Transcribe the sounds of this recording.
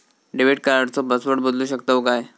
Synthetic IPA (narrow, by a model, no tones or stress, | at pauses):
ɖiʋeʈ̚kəɾaɽt͡sɔbəsʋəɽbəd̪luːɕəkt̪akaj